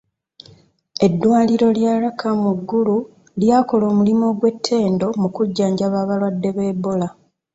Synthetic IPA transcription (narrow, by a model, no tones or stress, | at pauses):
e̞dːwaːliɾo̞ljaːɾakʰamuɡːulu | ljaːko̞lo̞ːmulimo̞ːɡwe̞tʰːe̞ːndo̞mukuɟːaːɲɟaβaβalwadːe̞βe̞ːbola